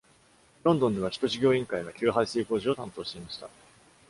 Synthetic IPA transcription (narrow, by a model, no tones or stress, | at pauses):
ɾõ̞nd̪õ̞nd̪e̞βaçʲi̥t̪o̞ɕiɡʲo̞ːĩŋkaiβakʲɨːɦaisiːko̞ːʑio̞t̪ãnt̪o̞ːɕi̥t̪e̞imaɕi̥t̪a̰